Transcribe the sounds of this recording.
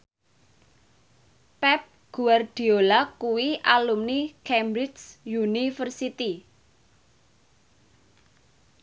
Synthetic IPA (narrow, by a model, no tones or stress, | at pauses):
pɛp̚ɡ̥uard̪̥i̤olakuwiʔalumnikɛmbɾɪd͡ʒsjunifərsit̪i